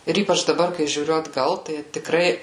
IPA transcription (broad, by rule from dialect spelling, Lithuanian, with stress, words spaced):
ɪr ˈiːpɐt͡ʃ dɐˈbɐr kɐɪ ʒʲuːˈrʲʊ ɐdˈɡɐlˠ tɐɪ tʲɪˈkrɐɪ